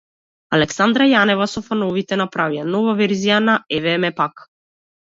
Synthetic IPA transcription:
alɛksand̪ɾajanɛvasɔfanɔvit̪ɛnapɾavijanɔvavɛɾzijanaɛvɛmɛpak

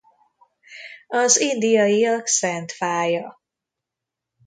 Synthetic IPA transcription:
ɒzind̪ijɒjiɒksɛnt̪faːjɒ

